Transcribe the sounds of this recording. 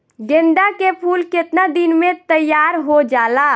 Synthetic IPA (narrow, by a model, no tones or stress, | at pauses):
ɡẽnɖ̪akepʰulket̪nad̪inmet̪əjaɾɦod͡ʒala